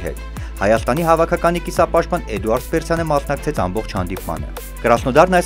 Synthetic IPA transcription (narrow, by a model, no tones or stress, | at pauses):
ɦɛ̰t̪ | hɑjɑst̪ɑniɦɑvɑkʰɑkɑnikisɑpɑʃt̪̚pɑnɛd̪uɑɾd̪spɛɾsʰjɑnəmɑsnɑk̚t͡sʰɛt͡sʰɑ̰mbɔχt͡ʃʰhɑ̰nd̪ipmɑ̰nə̰ | kəɾɑsnɔd̪ɑɾnɑjs